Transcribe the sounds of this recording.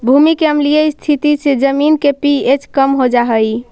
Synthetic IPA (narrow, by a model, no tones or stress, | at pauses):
bʱumikeəmlijəist̪ʰit̪ised͡ʒəminkepiet͡ʃkəmɦod͡ʒaɦəj